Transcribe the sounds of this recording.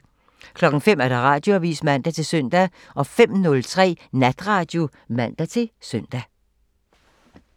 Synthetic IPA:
kʰlɒ̽ɡ̥ŋ̩fem̰æɐɾ̥ɑ̈ʁɑ̈ːd̥jo̝æʋḭːsmæn̰d̥æt͡sʰe̝lsøn̰d̥æ | ʔɒ̽fem̰nɔ̽lt͡sʰʁɛ̰ːnæd̥ʁɑ̈ːd̥jo̝ | mæn̰d̥æt͡sʰe̝lsœn̰d̥æ

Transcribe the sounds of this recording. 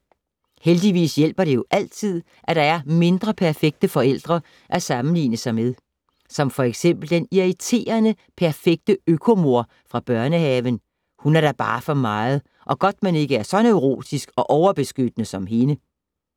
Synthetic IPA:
held̥iʋḭːsjel̰b̥ɐɾ̥e̝jo̝ʔæl̰t͡sʰið̞̰ˠ | ʔæɾ̥ɑ̈æɐme̝nd̥ʁɐpʰæɐfeɡ̥̚d̥əfɒ̽el̰d̥ʁɐ | ʔæsɑ̈mn̩lḭːnəsɑ̈ɪmeð̞ˠ | sɒ̽mfɒ̽eɡ̥sem̰b̥l̩d̥eniit͡sʰe̝̰ːɐnə | pʰæɐfeɡ̥̚d̥əøkʰo̝mo̝ɐ̰ | fʁɑ̈b̥ɶɐnəhɛːʋən | hunæɐɾ̥ɑ̈b̥ɑ̈ːfɒ̽mɑ̈ːð̞̩ˠ | ʔɒ̽ɡ̥ɒ̽d̥mene̝ɡ̥əæɐsɒ̽neʊʁo̝̰ːd̥isɡ̥ɒ̽ʔɒʊɐb̥e̝sɡ̥ød̥ənəsɒ̽mɦe̝nə

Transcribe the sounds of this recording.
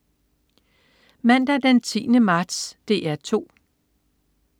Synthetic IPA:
mæn̰d̥æd̥ent͡sʰḭːnəmɑ̈ːd̥sd̥e̝ːæɐt͡sʰo̝̰ː

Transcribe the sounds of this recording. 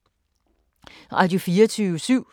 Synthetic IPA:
ʁɑ̰d̥jufiːɐt͡sʰyːʋəsyʊ̰

